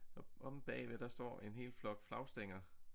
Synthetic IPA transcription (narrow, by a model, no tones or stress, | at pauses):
ɒʔɒ̽mb̥ɛ̰ːʋed̥ɑ̈sd̥ɒ̰ːe̝nɦe̝̰ːl̥flɒ̽ɡ̥flɑ̈ʊsd̥eŋ̰ɐ